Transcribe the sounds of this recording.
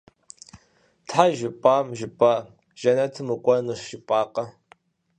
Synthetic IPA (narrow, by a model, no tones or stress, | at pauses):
tʰħaʒɪpʼaːmʒɪpʼa | ʒ̥ɐnɐtʰɨmɨkʷʼɐnɨʂɪpʼaːqʼɐ